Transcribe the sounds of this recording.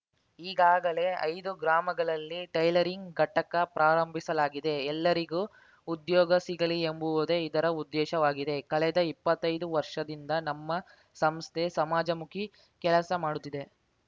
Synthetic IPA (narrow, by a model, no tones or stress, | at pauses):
iːɡaːɡɐle̞ɐ̰jd̪uɡɾaːmɐɡɐɭɐlːiʈɐjlɐɾiŋɡɡɐʈɐkɐpɾaːɾɐmbʱisɐlaːɡid̪e̞ːlːɐɾiɡuː | ud̪jɔːɡɐsiɡɐɭiembuʋod̪eid̪ɐɾɐud̪ːɛːʃɐʋaːɡid̪e̞kɐɭɛd̪ɐipːɐt̪ːɐjd̪uʋɐɾʂɐd̪ind̪ɐnɐmːɐ | sɐmst̪ʰe̞sɐmaːd͡ʒɐmukʰi | kɛlɐsɐmaːɽut̪ːid̪e̞